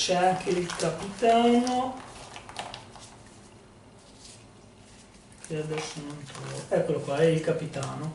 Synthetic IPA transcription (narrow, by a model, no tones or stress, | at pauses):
t͡ʃɛaŋkʰeilkapit̪aːno | kʰead̪ɛsːonont̪ɾooɛkwelːokwaɛilkapit̪aːno